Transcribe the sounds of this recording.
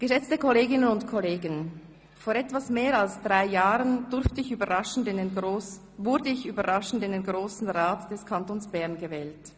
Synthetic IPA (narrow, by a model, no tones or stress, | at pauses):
ɡ̥əʃɛt͡stəkʰɔleːɡɪnənʊntkʰɔleːɡən | foːɾɛtvasmeːʁalsd̥ʁaɪjaːʁəndʊɾftəɪçyːbɐʁaʃn̩dɪno | vʊɐdəɪçyːbɐʁaʃn̩dɪndenɡʁoːsn̩ʁaːtd̥ɛskʰantoːnsb̥ɛɐʁnɡəvɛːlt